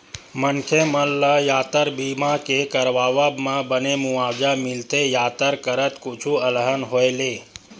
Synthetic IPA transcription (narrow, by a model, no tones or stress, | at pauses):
mənkʰeməlːəjaːt̪əɾbimakekəɾʋaʋəbmãbənemuaːd͡ʒamɪlt̪ejaːt̪əɾkəɾət̪kut͡ʃʰuələɦənɦoele